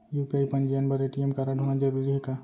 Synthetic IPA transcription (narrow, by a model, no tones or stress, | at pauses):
jupiaːjpɐnd͡ʒijənbəɾeʈiemkaɾaɖʱoñad͡ʒəɾuːɾiɦeka